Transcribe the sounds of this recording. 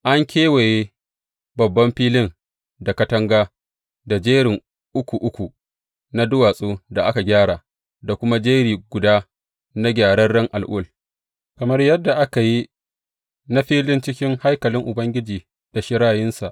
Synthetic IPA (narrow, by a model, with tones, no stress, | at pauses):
ʔa˦ŋkʲʰeː˦weː˨jeː˦ | bɐ˨bːɐ˦mɸiː˦lɪ˦n | da˨kɐ˦tɐ˦ŋɡaː˦ | da˨d͡ʒeː˦ɽɪ˨ŋ | ʔʊ˦kʷu˨ʔʊ˦kʷu˨ | na˦dʊ˦waː˨sʼoː˦da˨ʔa˦ka˨ɡʲaː˦ɽaː˨ | da˨kʷʊ˦ma˦d͡ʒeː˦ɾiː˨ɡʷʊ˨daː˦ | na˦ɡʲaː˨ɽɐ˦rɽɐ˦ŋʔa˨lʔʊ˦l | kɐ˨mɐ˦rjɐ˦dːa˨ʔa˦ka˨ji˦ | na˦ɸiː˦lɪ˦nt͡ʃɪ˦kʲɪ˦ŋha˦jkɐ˨lɪ˦ŋʔʊ˨bɐ˦ŋɡʲɪ˦d͡ʒiː˨ | d̥a˨ʃɪ˦ɾaː˦˨jɪ˦nsa˨ʔ